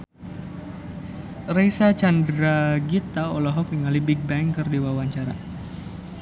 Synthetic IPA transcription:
rejsat͡ʃandɾaɡit̪aolaɦɔk̚niŋalibiɡ̚bɛŋkɨrdiwawaɲt͡ʃaɾa̰

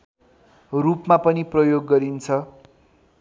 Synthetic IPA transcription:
rupmapʌniprʌjoɡːʌɾint͡sʰʌ

